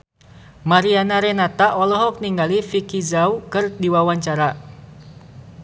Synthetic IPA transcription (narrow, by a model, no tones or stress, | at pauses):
maɾianaɾɛnat̪aʔɔlɔɦɔk̚niŋɡalifikizaukɨrdiwawaɲt͡ʃaɾa